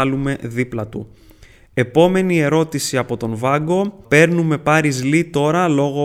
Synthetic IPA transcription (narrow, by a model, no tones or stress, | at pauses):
lume̞ðiplɐt̪ṵ | e̞po̞me̞nie̞ɾo̞t̪isiɐpo̞t̪o̞nvɐɡo̞pe̞ɾnume̞pɐɾizlit̪o̞ɾɐlo̞ɣo̞